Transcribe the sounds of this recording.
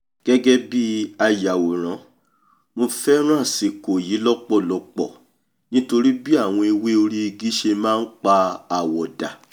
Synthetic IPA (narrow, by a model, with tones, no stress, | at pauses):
ɡ̥ɛ˦ɡɛ˦bi˦a˧ja˨wo˨ɾ̃ã˨˦ | mo˧fɛ˦ɾ̃ũ˦ã˦˨si˨ko˨ji˨˦lɔ˦k͡pɔ˦˨lɔ˧k͡pɔ̰˦˨ | nĩ˦to˧ɾi˦bi˦a˦˨w̃ɔ̃˧i˧we˦o˧ɾi˦i˧ɡi˦ʃe˧mãː˦n̩˦k͡pa˧a˨wɔ˨da˨